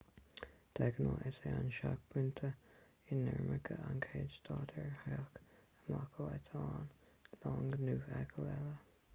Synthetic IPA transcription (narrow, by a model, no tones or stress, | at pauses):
d̪̥ɛɡənoʔɪseanʃak̚bʰɾɪnt̪ʰə | ɪnːɛɹməkʰəʔankʰeːd͡ʒt̪ʰɑːt̪ʰɛɹhɛkəmakʰəlɛt̪ʰɑːn | lɑːŋɡnuːɛɡʰəlɛlə